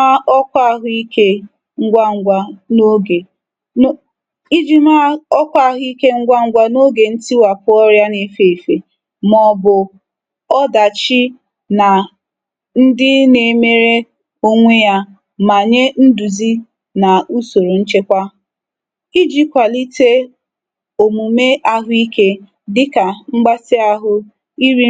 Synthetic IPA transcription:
a˦ɔ˦kʷa˦˨ɦʊ˦i˦ke˦ | ŋ̩˦ɡʷa˦ŋ̩˦ɡʷa˦no˦ɡe˨˦ | i˦d͡ʒi˦ma˦ɔ˦kʷa˦˨ɦʊ˦i˦ke˦ŋ̩˦ɡʷa˦ŋ̩˦ɡʷa˦no˦ɡe˨n̩˦ti˦wa˨pʊ˦ɔ˦ɾja˦ne˨fe˨fe˨ | mɔ˨bʊ˨ | ɔ˦da˨t͡ʃi˦ | na˨ | n̩˦dɪ˦ne˨me˦ɾe˦ | o˦ŋʷe˦ja˦ | ma˨ɲe˦n̩˦du˨zi˦ | na˨u˦so˨ɾo˨n̩˦t͡ʃe˦kʷa˦ | i˦d͡ʒi˦kʷa˨li˦te˦ | o˨mu˨me˦ʔa˦ɦʊ˦i˦ke˦ | dɪ˦ka˨ŋ͡m̩˦ɡ͡ba˦sɪ˦a˦ɦʊ˦ | i˦ɾi˦

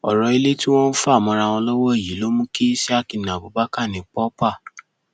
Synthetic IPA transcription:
ɔ˨ɾɔ˨i˧le˦tĩ˦w̃ɔ̃˦n̩˦fa˦a˦˨mɔ̃˧ɾa˧w̃ɔ̃˧lɔ˦wɔ˦e˦˨ji˨˦lo˦mũ˦ke˦si˦a˦ki˧˨nã˨bo˨ba˦ka˦˨nĩ˨k͡pɔ˦pa˦˨

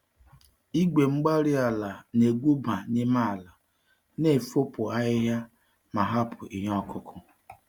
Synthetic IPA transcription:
i˦ɡʷe˨ŋ͡m̩˦ɡ͡ba˦ɾɪ˦a˨la˨ne˨ɡʷu˦ba˨nɪ˦ma˦˨la˨ | ne˨fo˦pʊ˨a˦ɦɪ˦ɦja˦ | ma˨ɦa˦pʰʊ˨ʔi˨ɦɔ˦kʰʊ˦kʰʊ˦

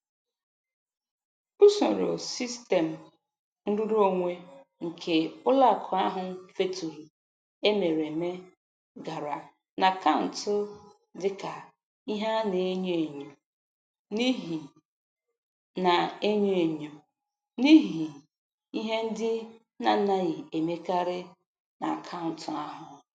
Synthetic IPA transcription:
ʊ˦so˨ɾo̰˨si˦ste˨m̩˨ | n̩˦dʊ˦ɾo˦ŋʷe˦ŋ̩˨kʰe˨ʊ˦la˦˨kʰʊ˨a˦ɦʊ˨n̩˦fe˦tu˨ | e˦me˨ɾe˨me˦ | ɡa˨ɾa˨ | na˨ka˦˨n̩˨tʊ˦ | dɪ˦ka˨ | i˦ɦa˦ne˨˦ɲo˦e˨ɲo˨ | ni˦ɦi˨ | na˨e˦ɲo˦e˨ɲo˨ | ni˦ɦi˨ | i˦ɦe˦n̩˦dɪ˦ | na˦˨na˨ɣɪ˨e˨me˦ka˦ɾɪ˦ | na̰˨kʰa˦n̩˨tʰʊ˦a˦ɦʊ˨

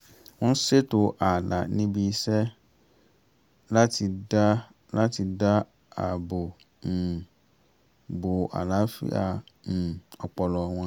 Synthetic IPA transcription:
w̃ɔ̃˦n̩˦se˦to˦ʔa˨la˨nĩ˦bi˧˦sɛ˦ | la˦ti˧da˦ | la˦ti˧da˦ | a̰˨bo˨ | bo˨a̰˨la˨˦fḭ˦ã̰˧˨ | ɔ˨k͡pɔ˨lɔ˨w̃ɔ̃˧

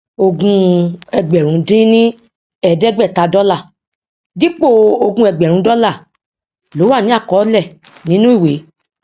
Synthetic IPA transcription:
o˧ɡũ˧ɛ˧ɡ͡bɛ˨ɾ̃ũ˨˦dĩ˦nĩ˦ | ɛ˦˨dɛ˦ɡ͡bɛ˦˨ta˨˧dɔ˦la˦˨ | di˦k͡po˦˨o˧ɡũ˧˦ɛ˧ɡ͡bɛ˨ɾũ˨˦dɔ˦la˦˨ | lo˨˦wa˦˨nĩ˦a˦˨kɔ˨˦lɛ˦˨ | nĩ˨˦nũ˦i˦˨we˨˦

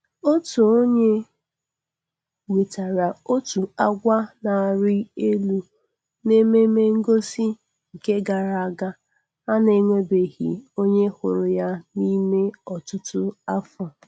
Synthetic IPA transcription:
o˦tu˨o˦ɲe˦ | wi˨ta˨ɾa˨o˦tu˨a˦ɡʷa˦na˨a˨ɾɪ˦e˦lu˦˨ | ne˦me˦me˦ŋ̩˦ɡo˦si˦ | ŋ̩˨ke˦ɡa˨ɾa˨a˨ɡa˦ | a˦ne˦ŋʷe˦be˨ɣḭ˨o˦ɲe˦hʊ˨ɾʊ˨ja˦ni˦me˦ɔ˨tʊ˦tʊ˦a˦fɔ˨

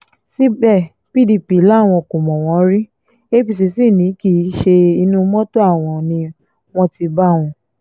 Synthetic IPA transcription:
si˦ɡ͡bɛ˦˨ | pi˦˨di˧˨pi˨˦la˦˨w̃ɔ̃˧ko˨mɔ̃˨w̃ɔ̃˨˧˦ɾi˦ | e˦pi˦˨si˧˨si˦˨nĩ˨˦ki˨˦ʃe˧i˧nũ˦mɔ̃˦to˦a˦˨w̃ɔ̃˧nĩ˧ | w̃ɔ̃˧ti˧ba˦˨w̃ɔ̃˧

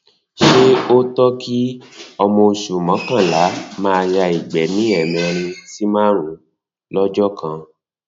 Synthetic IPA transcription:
ʃe˦o˦tɔ˦ki˦ɔ˧mɔ̃˧o˧ʃu˨mã˨˦kã˦˨la˨˦mã˦a˧ja˧i˨ɡ͡bɛ˨˦nĩ˦ɛ˨mɛ̃˧ɾ̃ĩ˧ti˦mãː˦ɾ̃ũ˨˦ | lɔ˦d͡ʒɔ˦kã˧

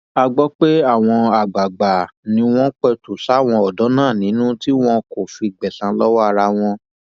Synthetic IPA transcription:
a˧ɡ͡bɔ˦k͡pe˦a˦˨w̃ɔ̃˧a˨ɡ͡ba˨ɡ͡ba˨nĩ˧w̃ɔ̃˦k͡pɛ˧tu˨ʃa˨˦˨w̃ɔ̃˧ɔ˨dɔ˨˦nãː˦˨nĩ˨˦nũ˦ti˦w̃ɔ̃˦ko˨fi˧˨ɡ͡bɛ˨sã˨˦lɔ˦wa˦a˧ɾa˧w̃ɔ̃˧

